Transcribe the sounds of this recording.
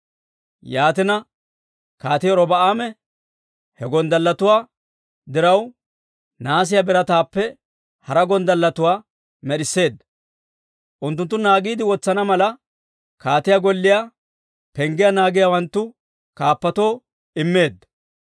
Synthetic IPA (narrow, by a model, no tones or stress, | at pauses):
jaːt̪ɪnɐ | kaːt̪ɪjɔɾɔbɐʔaːmɛ | hɛɡɔnd̪ɐlːɐt̪ʊwaː | d̪ɪɾɐw | naːs̬ɪjabɪɾɐt̪aːpːɛ | hɐɾɐɡɔnd̪ɐlːɐt̪ʊwaː | mɛɗɪsːe̞ːd̪ːɐ | ʔʊnt̪ːʊnt̪ːʊnaːɡiːd̪ɪwɔt͡sːɐnɐmɐlɐ | kaːt̪ɪjaɡɔlːɪja | pɛŋɡɪjanaːɡɪjawɐnt̪ːʊ | kaːpːɐt̪o̞ː | ɪmːe̞ːd̪ːɐ